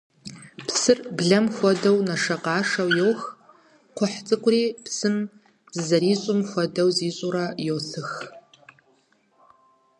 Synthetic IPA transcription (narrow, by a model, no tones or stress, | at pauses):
pʰsɨrbɮɐmxʷɔdɐwnɐʂɐqɑːʂɐwjowx | qʷʰʊħt͡sʼɨkʷʼʊriːpsɨm | zɨzɐɾiːɕʼʊmxʷɔdɐwziːɕʼuɾɐjowɬɨx